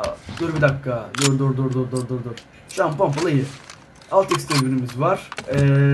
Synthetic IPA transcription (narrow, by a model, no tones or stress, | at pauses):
d̪øɾbid̪akːad̪øɾd̪ɔɾd̪ɔɾd̪ɔɾd̪ɔɾd̪ɔɾd̪ɔɾ | ʃampampalˠajɯ | alˠt̪ikst̪ʰevbinimizvaɾ̥ɛ